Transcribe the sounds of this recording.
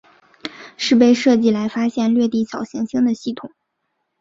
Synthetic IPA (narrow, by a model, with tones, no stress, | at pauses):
ʂɻ̩˥˧p̬e˥˧ɪʂɤ˥˧t͡ɕi˥˩la˧˥ɪfa˥ɕjɛ˥˧nlɥɛ˥˧t̪i˥˩t͡ɕʰɑ˨˩ʊɕjɛ˧˥nɕi˥ŋd̪ə˨ɕi˥˩t̪ʰʊ˨˩˦ŋ